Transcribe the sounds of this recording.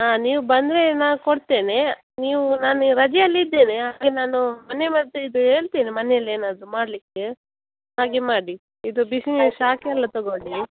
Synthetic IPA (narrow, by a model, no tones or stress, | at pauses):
aːniːʋubɐnd̪ɾe̞naːkoɽt̪eːne | niːʋunaːnɾɐd͡ʒiɐlːid̪ːeːneɦaaːɡenaːnumɐnemɐd̪ːuid̪uɦeːɭt̪iːnimɐneɐlːe̞ːnaːd̪ɾumaːɽlikːe | ɦaːɡemaːɽi | id̪ubisniʃaːkiɐlːɐt̪ɔɡoɳi